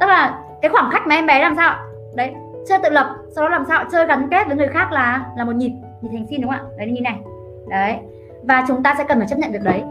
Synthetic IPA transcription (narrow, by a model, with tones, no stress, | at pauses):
t̪ɨ˦˥k̚laː˨˩ | kaː˨˦jxwaː˧˩mxa˦˥k̚ma˨˩˨ʔɛ˧mɓɛ˨˦laː˨˩msaː˧wʔa˨ | ɗə˨˦j | t͡ɕɨ˧t̪ɨ̰˧˨lwə˨˩t̚sa˧wɗɔ˨˦laː˨˩msaː˧wa˨t͡ɕɨː˧ɣa˨˦nke˦˥t̚vəː˨˦jŋɨ˨˩əjxaː˦˥k̚laː˨˩˧laː˨˩mo˨˩t̚ɲi˨˩t̚ | ɲi˨˩t̚hŋsi˧nɗʊ˨˦ŋ͡mʔa̰ː˧˨ə˨˦jna˨˩ɲi˨˩na˨˩j | ɗə˨˦j | vaː˨˩t͡ɕʊ˨˦ŋ͡mt̪aː˧sɛ̰˧˥kə˨˩nfaː˧˩t͡ɕpɲə˧˨ɗɨ˨˩ək̚ɗə˨˦j